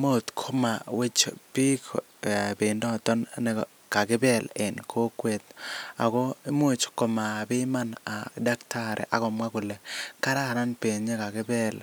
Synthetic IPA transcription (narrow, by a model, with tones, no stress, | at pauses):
mo˦˨t̪kʰo˦ma˨we˦t͡ʃpi˦k | pɪ˨ndɔ˦˨t̪ɔ˦nnɛ˦ | ka˨kɪ˦bɛ˦˨lɪ˨nkʰo˦kwe˨t̪a̰˨kɔ˦i˦mo˦˨t͡ʃkɔ˨ma˨pɪ˦ma˦na˨da˦ktʰa˦ɾɛ̰˨ʔa˨kɔ˨mwa˦kʊ˨le˨ka˦ɾa˦˨na˦npe˨ɲe˦ka˨kɪ˦bɛ˦l